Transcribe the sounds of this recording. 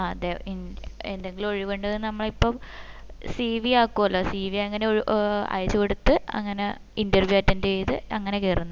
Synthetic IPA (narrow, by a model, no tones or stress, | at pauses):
aɐd̪eɐinend̪eŋɡilumo̞ɻiʋoɳɖɐðnɐmːɐɭipːom | siːʋiaːkːuɐlːoːsiːʋiaɐŋːɐneoɻʔɐ̰jt͡ɕːukoɽut̪ːɨɐ̰ŋːɐne | indɐrʋjuaːtːɐnt͡ɕejt̪ɨɐŋːɐne̞kerunːɐ